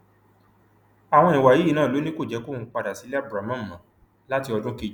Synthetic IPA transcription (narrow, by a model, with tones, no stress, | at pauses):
a˨w̃ɔ̃˧nĩ˨wa˨ji˦i˦˨nãː˦˨lo˨˦nĩ˦ko˦˨d͡ʒɛ˨˦ko˦˨ũ˨˧˦k͡pa˧da˨si˨˦lɛ˦a˦˨bɾa˨mã˦˨mã˨ | la˦ti˧ɔ˧dũ˦ki˧d͡ʒ